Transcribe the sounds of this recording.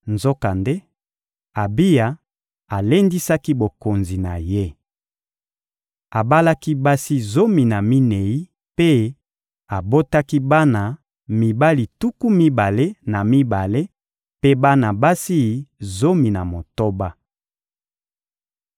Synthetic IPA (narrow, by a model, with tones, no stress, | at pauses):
nzo˦ka˨nde˦ | a˨bi˦ja˨ | a˨le˦ndi˦sa˦ki˦bo˨ko˨nzi˨na˨je˦ | a˨ba˦la˦ki˦ba˦si˦zo˦mi˨na˨mi˦ne˨i˦ | pe˦ | a˨bo˦ta˦ki˦ba˦na˨ | mi˨ba˦li˨tu˦ku˦mi˦ba˨le˦na˨mi˦ba˨le˦ | pe˦ba˦na˨ba˦si˦˨zo˦mi˨na˨mo˨to˦ba˦